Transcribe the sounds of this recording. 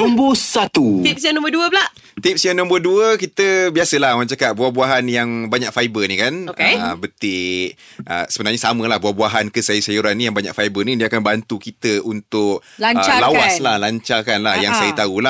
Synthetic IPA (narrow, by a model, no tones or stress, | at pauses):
ɔmbəsat̪ut̪ip̚sianɔ̃mbəduəbəlaʔ | t̪ip̚sianɔ̃mbəduəkit̪əbiasəlahmat͡ʃakat̪̚buahbuaɦanjaŋbaɲak̚fajbənikanokebət̪ɪ | ʔəsəbənarɲasaməlahbuahbuaɦankəsajusajuɾanːĩjaŋbaɲa̰kfajbərnĩdiəakanbant̪ukit̪əʔunt̪ʊklaɲəlawwaslahlaɲt͡ʃakanlahjaŋsajət̪aula